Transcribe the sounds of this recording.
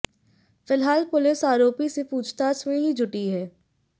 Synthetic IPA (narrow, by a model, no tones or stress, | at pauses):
fɪlɦaːlpʊlɪsaːɾoːpisepuːd͡ʒt̪aːsmẽɦid͡ʒʱʊʈiɦɛː